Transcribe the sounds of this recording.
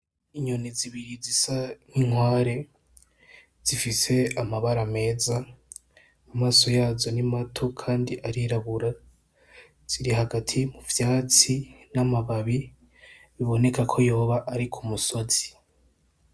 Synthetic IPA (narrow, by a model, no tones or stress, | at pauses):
iɲoniziβiɾizisaniŋwaːɾe̞ | z̥ifise̞amaβaɾame̞ːza | amaːso̞jaːzo̞nimatʰo̞kʰaːndiʔaɾiɾaβuɾa | z̥iɾiɦaɡatʰimuvjaːt͡sinamaβaβi | βiβo̞ne̞kakʰo̞jo̞ːβaʔːɾikʰumuso̞z̥i̥